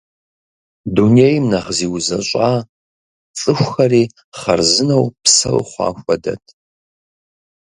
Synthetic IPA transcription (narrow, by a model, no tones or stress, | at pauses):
dunejmnɐʁziːwzɐɕʷʼaː | t͡sʼɨxʷxɐriː | χɐrzɨnɐwpsɐ̰wχʷɑ̰ːxʷɐdɐ̰tʰ